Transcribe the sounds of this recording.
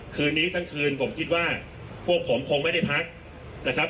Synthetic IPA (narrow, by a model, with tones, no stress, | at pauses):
kʰɯː˧nːiː˦˥t̪ʰa˥˩ŋkʰɯː˧npʰo˩˦mkʰi˦t̪̚waː˥˩ | pʰu˥˩ək̚ʰːo˩˦mkʰo˧ŋma˥˩jda˥˩jpʰa˦˥k̚ | na˦˥kʰa˦˥p̚